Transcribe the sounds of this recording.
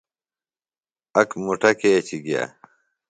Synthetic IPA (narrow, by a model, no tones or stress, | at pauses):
ɐkmuʈɐket͡ɕiɡija̰